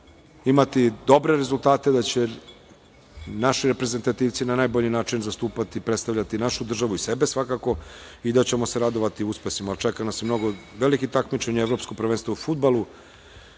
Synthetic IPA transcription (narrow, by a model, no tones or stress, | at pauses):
imat̪id̪o̞bɾe̞ɾezulˠt̪aːt̪ed̪at͡ɕe | naʃiɾepɾe̞ze̞nt̪at̪iːʋt̪sinanaːjboʎinaːt͡ʂinzast̪uːpat̪iːpɾet̪st̪avʎʲat̪inaʃud̪r̩ʒaʋuise̞be̞sʋakako̞id̪at͡ɕe̞mo̞seɾad̪o̞ʋat̪iuspesimaːlt͡ʃekanasjmno̞ɡo̞ʋelikit̪akmit͡ʂeɲeʋɾopskopɾr̩ʋenst̪ʋaufud̪̚balu